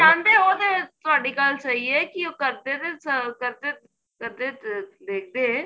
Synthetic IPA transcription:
ʃãːnt̪eɦoːd̪et̪ʊaːɽikaːlsɐɦiekiokɐɾd̪et̪esəkɐɾt̪e | kɐɾd̪ed̪eːk̚ʰd̪ẽ

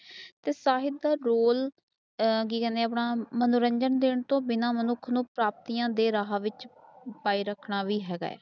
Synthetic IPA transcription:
t̪eːsaːɦɪd̪̚d̪aːɾoːl | k̬iːkɛ̃ːnd̪ẽːapɳaːmənʊɾəɲd͡ʒənd̪ɪːɳt̪õːbɪnaːmənʊkʰnũːpɾaːp̚t̪iːjãːd̪eːɾaːɦaːʋɪt͡ʃpaːiːɾəkʰɳaːʋiːɦɛːɡa̰ːɛ̰ː

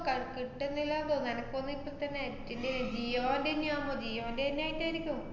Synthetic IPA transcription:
kɐkiʈːenːilːaːnd̪oːnːɐnɐkːonːɨipːolt̪ɐnːetːindend͡ʑijoːndenːjaːmːod͡ʑijoːndenːaːjiʈːaːiɾikʲːum

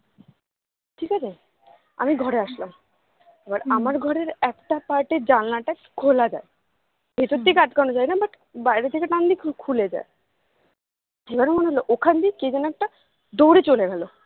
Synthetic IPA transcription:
ʈʰikat͡ɕʰe | a̰miɡʱɔɾeaʃlam | abaɾamaɾɡʱɔɾeɾɛkʈapaɾʈed͡ʑalːaʈa | kʰolad͡ʑa̰e | bet̪ot̪ːikaʈkanod͡ʑajnabaʈ | bajɾet̪ʰekeʈ̪ãnd̪ikʰkʰuled͡ʑa̰e | ebaɾemoneɦoloʔokʰand̪iked͡ʑanɛk̚ʈa | d̪oɾet͡ɕoleɡɛlo

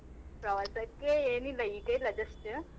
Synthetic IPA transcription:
pɾɐʋɐsɐkːeːeːnilɐjʈelɐd͡ʒɐsʈɨ

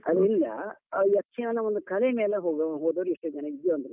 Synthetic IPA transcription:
ɐd̪ilːɐ̰jɐkʰːinɐnːɐʋond̪ukɐlemeːleɦoːɡɦoːd̪oːʋɾiʂʈːud͡ʒɐnɐid̪joɐnd̪ɐɾu

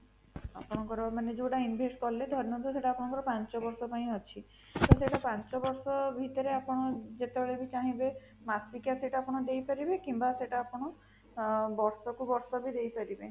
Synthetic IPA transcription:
a̰pɔɽ̃ɔŋkɔɾɔmaned͡ʒoʈainbʱesʈkɔled̪ʱɔɾnɔnt̪useʈaːpɔɽ̃ɔ̃ŋkɔɾɔpant͡ʃɔbɔɾsɔpaĩɦɔt͡ʃʰi | t̪ɔseʈapant͡ʃɔbɔɾsɔbʱit̪ɔɾeapɔɽ̃ɔd͡ʒet̪ebeɭebit͡ʃaɦĩbe | masikaseʈaaːpɔɽ̃ɔd̪ejpaɾibekimbaseʈaːpɔɽ̃ɔ | bɔɾsɔkubɔɾsɔbid̪ejpaɾibe

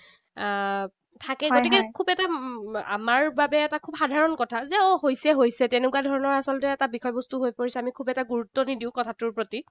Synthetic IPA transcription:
tʰakɛɡotikɛkʰubɛtaa̰maɹbabɛːtakʰubxadʱaɹɔnkɔtʰazɛɔɦojsɛɦojsɛtɛnɛkuwadʱɔɹɔnɔɹasɔlɔtɛːtabikʰɔjbɔstuɦojpoɹisɛamikʰubɛtaɡuɹutːɔnidiʊ̃kɔtʰatʊɹpɹoti

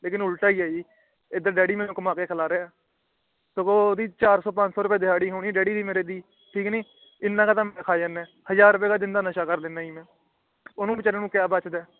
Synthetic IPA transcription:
leːkɪnʊlʈaːiːaːiː | ed̪əɾɖɛːɖiːmɛ̃ːnũːkəmaːkeːkʰəlaːɾeːaː | səɡoːd̪iːt͡ʃaːɾsɔːpə̃ɲt͡ʃsɔːɾʊp̬eːd̪ɪɦaːɽiːɦoːniːɖɛːɽiːd̪iːmeːɾeːd̪iː | ʈʰiːkniː | ɪnːãːkaːt̪ãːmːkʰaːjaːnːɛ̃ː | həzaːɾːʊp̬eːkaːd̪ɪnd̪aːnəʃaːkəɾleːnaːiːmɛ̃ː | ʊnũːbɪt͡ʃaːɾẽːnũːkjaːbət͡ʃd̪ɛː

